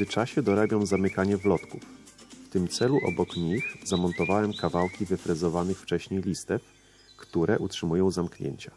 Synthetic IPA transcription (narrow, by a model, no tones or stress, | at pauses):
ɘt͡ʂaɕɛd̪ɔɾabʲjɔ̃w̃zamɘkaɲɛvlɔt̪kufː | t̪ɘmt̪sɛluʔɔ̰bɔkɲixzamɔnt̪ɔvawɛmkavawkʲivɘfɾɘzɔvanɘxft͡ʂɛɕɲejlʲist̪ɛf | kt̪uɾɛʔutʂɘmujɔ̃w̃zamkɲḛɲt͡ɕa